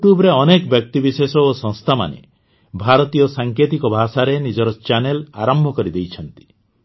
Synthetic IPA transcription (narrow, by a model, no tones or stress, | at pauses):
juʈjubɾeɔnekɔbjɔk̚t̪ibisesɔosɔ̃ŋst̪ʰama̰nḛ | bʱaɾɔt̪ijɔsaŋkʰet̪ikɔbʱasaɾenid͡ʒɔɾɔt͡ʃanelaɾɔmbʱɔkɔɾid̪ejt͡ʃʰɔnt̪i̥